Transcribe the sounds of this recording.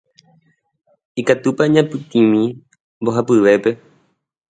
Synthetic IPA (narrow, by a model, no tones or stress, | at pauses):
ikat̪upaɲãpɨt̪ĩmĩ | mboɦapɨʋe̞pe̞